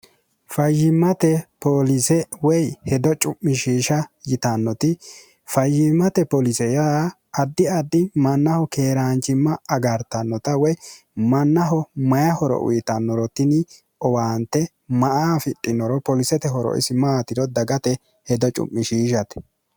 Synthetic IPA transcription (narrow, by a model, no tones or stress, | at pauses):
fɐjːɪmːɐt̪ɛpolɪsɛwɔjhɛd̪ɔt͡ʃʼʊmːɪʃiːʃɐjɪt̪ɐnːɔt̪ɪ | fɐjːɪmːɐt̪ɛpɔlɪsɛja | ɐd̪ːɪɐd̪ːɪmɐnːɐhɔkeːɾant͡ʃɪmːɐɐɡɐɾt̪ɐnːɔt̪ɐwɔj | mɐnːɐɦɔmɐjɐhɔɾɔ̰ʔʊ̰jɪt̪ɐnːɔɾɔt̪ɪnɪ | ɔwaːnt̪ːɛ | mɐʔaːfɪtʼːɪnːɔɾɔpɔlɪsɛt̪ɛɦɔɾɔ̰ʔɪ̰sɪmaːt̪ɪɾɔd̪ɐɡɐt̪ɛ | hɛd̪ɔt͡ʃʼʊ̰mːɪʃiːʃɐt̪ɛ̥